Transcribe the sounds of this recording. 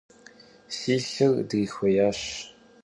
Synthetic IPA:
siːɬɨɣdɨxʷɐjaːɕ

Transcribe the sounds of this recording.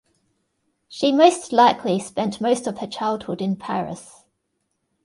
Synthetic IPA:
ʃiməʊstlaɪkʰlispɛ̃nʔməʊstəv̥ət͡ʃʰaɪlˠd̥hʊdɪ̃npʰa̰ɹɪ̰s

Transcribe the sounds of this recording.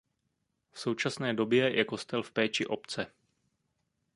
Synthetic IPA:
fso̞wt͡ʃasnɛːdo̞bjɛjɛko̞st̪ɛlfpɛːt͡ʃɪʔo̞pt͡sɛ

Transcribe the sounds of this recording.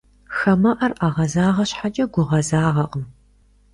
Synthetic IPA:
xɐmɐʔɐrʔaːʁɐzaːʁɐɕħat͡ʃʼɐɡʷʊʁɐzaːʁɐqəm

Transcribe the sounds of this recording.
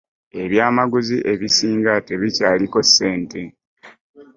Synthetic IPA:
e̞βjaːmaɡuziʔe̞βisiːŋɡate̞βicaːliko̞sːe̞ːnte̞

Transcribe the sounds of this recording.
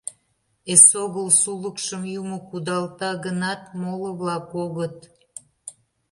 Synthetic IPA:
esoɣəlsuləkʃəmjumokud̪ɑlt̪ɑɣənɑt̪moləβlɑkoɣət̪

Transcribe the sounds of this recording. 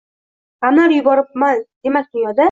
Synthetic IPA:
qamlaɾjʊbɒɾɪp̚masd̪̥e̞mak̚ʲd̪ʊnjɒd̪a

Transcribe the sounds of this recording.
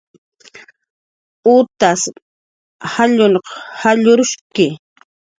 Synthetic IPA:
ʊt̪as | haʎʊnqhaʎʊɾʊʃkɪ

